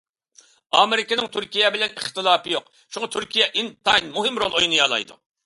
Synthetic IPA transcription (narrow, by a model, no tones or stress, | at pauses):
ɑ̰ːmeɾɪkʲɪnɪŋt̪ʰyɾkʲijɛbɪlɛnɪχt̪ɨlˠɑːpɨjoq | ʃuŋɑt̪ʰyɾkʲʰijɛʔint̪ʰɑjnmuɦɪmɾolˠojnɨjɑlˠɑ̰jd̪ṵ